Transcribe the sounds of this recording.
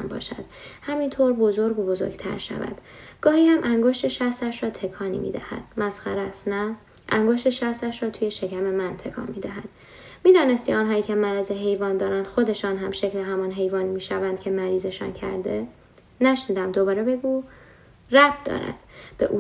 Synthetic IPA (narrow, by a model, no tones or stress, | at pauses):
mbɒ̰ːʃæ̰d̪̥hæmint̪ʰoːɾbozoɾɡobozo̰ɾɡ̥t̪ʰæ̰ɾʃæ̰væ̰d̪̥ɡ̥ɒːhiːhæmʔæŋɡoʃt̪eʃæxst̪æʃɾɒːt̪ʰe̞kʰɒːnḭmḭːd̪æ̰hæ̰d̪̥mæsxæɾæsnæ | ʔæŋɡoʃt̪eʃæxst̪æʃrɒːt̪ʰuːje̞ʃe̞cʰæme̞mænt̪ʰe̞kʰɒ̰ːnmiːd̪æɦæd̪̥ | miːd̪ɒːne̞st̪iɒːnɦɒːiːcʰe̞mæɾæzeɦe̞jvɒːnd̪ɒːɾænd̪̥xo̞d̪e̞ʃɒːnɦæmʃe̞cleɦæmɒnɦe̞jvɒːnimiːʃævænd̪̥kcʰe̞mæɾiːze̞ʃɒ̰ːncʰæ̰ɾd̪e | næʃniːd̪æmd̪obɒːɾebe̞ɡuː | ræb̚d̪̥ɒ̰ːɾæ̰d̪̥b̥e̞ʔuː